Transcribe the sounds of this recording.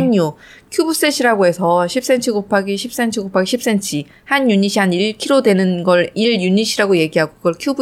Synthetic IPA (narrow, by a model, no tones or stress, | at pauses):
ɲukʰjubus͈eɕʰiɾaɡoɦe̞sʰʌɕʰip̚s͈e̞nt͡ɕʰiɡopʰaɡiɕʰip̚s͈e̞nt͡ɕʰiɡopʰaɡiɕʰip̚s͈e̞nt͡ɕʰi | hanjuɲiɕʰiɦaniɭkʰiɾodwe̞nɯnɡʌɭiɭjuɲiɕʰiɾaɡoje̞ɡiɦaɡokɯɡʌɭkʰjubu